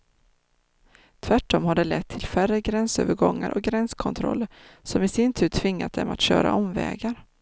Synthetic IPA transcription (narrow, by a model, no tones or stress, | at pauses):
t̪ʰvæʈːɔmhaɖɛlɛt̪ʰːɪlfærəɡɾɛnsø̰ːvəɾɡɔŋːaɾʔɔk̚ɡɾɛnskʰɔnt̪ʰɾɔ̰lːəɾsɔmɪsɪnt̪ʰʉ̟ːt̪ʰvɪŋːat̪̚d̪ɛ̰mat̪ɕø̰ːɾa̰ɔmvɛ̰ːɡaɾ